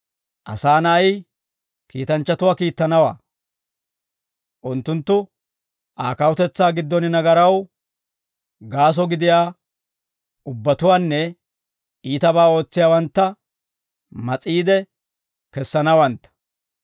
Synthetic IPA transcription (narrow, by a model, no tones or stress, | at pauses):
ʔɐ̰saːnɐːj | kiːt̪ɐnt͡ʃːɐt̪ʊwaːkiːt̪ːɐnɐwa̰ː | ʔʊnt̪ːʊnt̪ːʊ | ʔaːkɐwʊt̪ɛt͡sːaːɡɪd̪ːɔnɪnɐɡɐɾɐw | ɡaːs̬ɔɡɪd̪ɪjaː | ʊbːɐt̪ʊwaːnːɛ | ʔiːt̪ɐbaːo̞ːt͡sːɪjaːwɐnt̪ːɐ | mɐt͡sʼiːd̪ɛ | kɛsːɐnɐwɐnt̪ːɐ̥